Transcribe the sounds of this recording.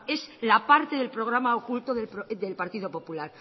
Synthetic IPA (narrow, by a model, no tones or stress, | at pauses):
e̞slapaɾt̪e̞ðe̞lpɾo̞ɣ̞ɾamaokult̪oðed̪e̞lpaɾt̪iðo̞po̞pulaɾ